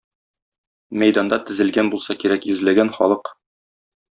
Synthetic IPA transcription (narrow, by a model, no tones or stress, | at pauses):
mæjd̪ɑnd̪ɑt̪ɘ̆zɘ̆lɡænbulˠsɑkiɾækjɵ̆zlæɡænχɒlˠɤq